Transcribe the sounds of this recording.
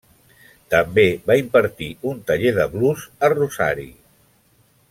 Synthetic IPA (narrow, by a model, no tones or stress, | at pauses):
t̪əmbeβaimpəɾt̪iunt̪əʎeðəβluzəruza̰ɾḭ